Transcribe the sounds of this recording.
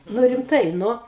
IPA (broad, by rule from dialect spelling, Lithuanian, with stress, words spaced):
ˈnʊ rʲɪmˈtɐɪ ˈnʊ